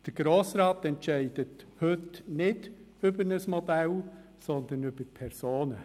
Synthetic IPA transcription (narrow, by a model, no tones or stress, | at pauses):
d̥əɾɡ̥ɾoːsɾɑːtɛntʃɛɪd̥əthɵtnɪd | ʏbənəsmodɛl | sɔnd̪ənʏb̥əpʰɛɾsoːnə